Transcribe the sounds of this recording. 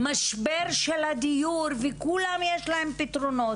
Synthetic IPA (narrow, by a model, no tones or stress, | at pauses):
maʃbeɾʃelad̪ijuɾvɛkulamjeʃlaɦempit̪ɾono